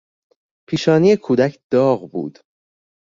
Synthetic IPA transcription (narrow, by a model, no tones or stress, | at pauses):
pʰiːʃɒːniːekʰuːd̪æcʰd̪̥ɒːɣbṵːd̪̥